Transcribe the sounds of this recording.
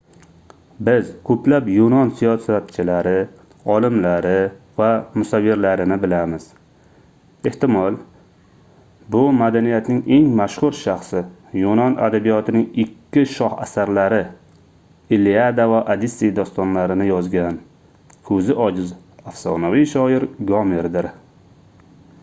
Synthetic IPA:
bɪzkʰɵpʰlapjonɒnsijɒsat̪t͡ʃʰɪlaɾɪ | ɒlɪmlaɾɪvamʊsavːɪɾlaɾɪnɪbɪlamɪz̥ | e̞ht̪ɪmɒlˠ | bʊmad̪anijat̪nɪŋe̞ŋmaʃχʊɾʃaχsɪjonɒnʔa̰d̪abijɒt̪ʰɪnɪŋɪkʲʰːɪʃɒha̰saɾlaɾɪ | ɪliad̪avaʔad̪isːijd̪ɒst̪ɒnlaɾɪnɪjɒzɡʲan | kʰɵzɪʔɒd͡ʒɪz | afsɒnaviʃɒɪɾɡɒmɪɾd̪ɪɾ

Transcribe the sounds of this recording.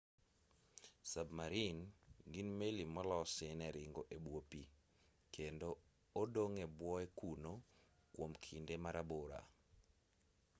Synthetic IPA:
sabmaɾinɡinmelimɔlɔsɪnɛɾɪŋɡoʔebwopi | kʰendoː | doŋebwɔekuno | kwomkʰindemaɾaboɾa̰

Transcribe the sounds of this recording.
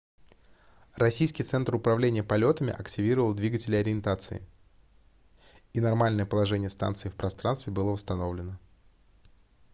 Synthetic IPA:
rɐsʲijskʲɪjt̪sɛnt̪rʊpɾɐvlʲenʲɪjəpɐlʲo̞t̪əmʲɪ̰ʔɐktʲɪvʲiɾəvəlˠd̪vʲiɡətʲɪlʲɪɐɾʲɪɪnt̪at̪sɨ̰ɪ̰ | inɐrmalʲnəjəpəlˠɐʐɛnʲɪjəst̪a̰nt̪sɨɪfpɾɐst̪ɾanst̪vʲɪbɨlˠəvəst̪ɐno̞vlʲɪnə

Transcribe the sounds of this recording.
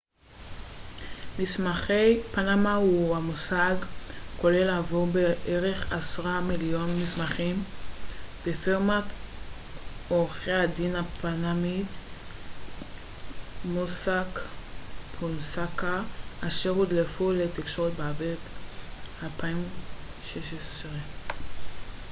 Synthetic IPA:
mismaχejpanamauamusaɡko̞le̞lavoʁbeʔeʁe̞χasʁamiljo̞nmismaχim | b̥efeʁmat | oʁχejhad̪inapanamit̪ | musak | pʰunsakaʔaʃeʁud̪lefulet̪ikʃo̞ʁet̪beaveʁt̪ | alpaim | ʃeʃesʁe

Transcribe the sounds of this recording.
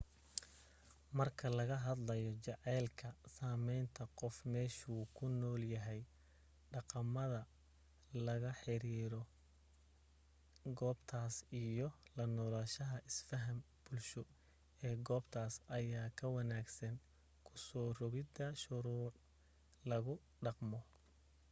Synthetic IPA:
mɐrkʰɐlɐɣɐɦɐd̪lɐjɔt͡ʃɑʕɛːlkʰɐsaːmɛjnt̪ʰɐqɔfmɛːʃuːkʰʊnɔːljɐɦɛj | ɖɑqɑmɐðɐ | lɐɣɐħɪɾiːɾɔ | ɡɔːbt̪ʰaːsijɔlɐnɔːlɐʃɐɦɐʔɪsfɐɦɐm | b̥ʊlʃʊ | ɛːɡɔːbt̪ʰaːsɐjaːkʰɐwɑnaːɡsɐn | kʰʊsɔːrɔɣɪd̪ɐʃʊɾuːʕ | lɐɣʊ | ɖɑqmɔ

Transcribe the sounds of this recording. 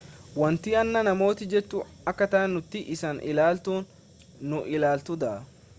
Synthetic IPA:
wɐnt̪iːɐnːɐnɐmo̞ːt̪ɪd͡ʒɛt͡ʃːu | ɐkːɐt̪ɐɐnːʊt̪ːɪʔɪsɐnʔɪ̰laːlt̪uːnː | ʊʔɪlaːlt̪ʊd̪ɐʔɐ

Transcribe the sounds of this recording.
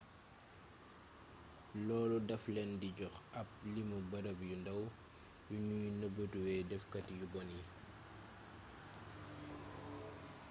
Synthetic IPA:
lɔːlɔdɐflɛndiɟɔxɐp̚limubɐɾɐbjundɐw | juɲujnɐbətuwɛːdɛfkɐtjubɔnji

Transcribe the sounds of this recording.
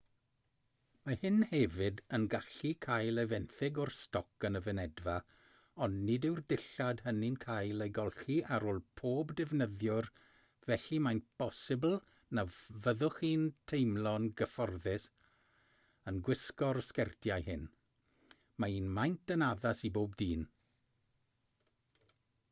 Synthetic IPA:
mahɪnhɛvɪdənɡaɬikʰajlˠevɛnθɪɡɔrstɔkənəvənɛdva | ɔnnɪdɪwrdɪɬad̥həninkʰajlˠejɡɔlˠɬiʔaɾoːlˠpʰoːbdɛvnəðjʊr | vɛɬimajnpʰɔsɪbl̩ˠ | navəðʊχiːntʰejmlˠɔnɡəfɔrðɪs | ənɡwɪskɔrskɛrtʰjajhɪn | maiːnmajntʰənaðasiboːb̚diːn

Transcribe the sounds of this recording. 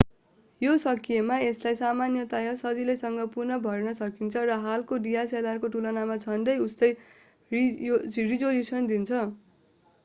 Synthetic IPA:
josʌkijemaeslajsamanjʌt̪ajʌsʌd͡zilʌjsʌŋɡʌpurnʌbʱʌrnʌsʌkint͡sʰʌrʌɦalkoɖijaselarkoʈulʌnamad͡zʱʌnɖʌjustʌj | rid͡zolisʌnd̪int͡sʰʌ

